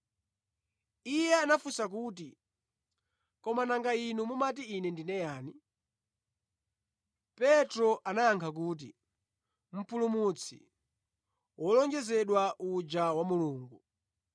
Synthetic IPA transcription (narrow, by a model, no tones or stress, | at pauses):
ijɛanafusakuːt̬i | kɔmanaŋɡainumumat̬iːnɛndinɛjaːni | pɛtɾɔʔanaaŋkʰak̬uːt̬i | m̩pulumut͡sʰḭ | wʔɔlɔŋd͡ʒɛzɛɗwaʔud͡ʒawamuluːŋɡu